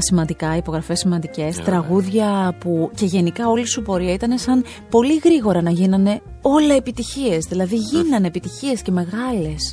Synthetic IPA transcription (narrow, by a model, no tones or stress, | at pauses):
simɐnd̪ikɐipo̞ɣɾɐfe̞simɐnd̪ice̞st̪ɾɐɣuðʝɐpuce̞ʝe̞nikɐo̞lisupo̞ɾiɐit̪ɐne̞sɐn | po̞liɣɾiɣo̞ɾɐnɐʝinɐne̞ | o̞leːpit̪içie̞zðilɐðiʝinɐnepit̪içie̞sce̞me̞ɣɐle̞s